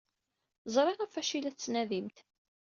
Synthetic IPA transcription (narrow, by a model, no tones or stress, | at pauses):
zˤɾˤeʁæfæʃilæt͡sːnæðimt̪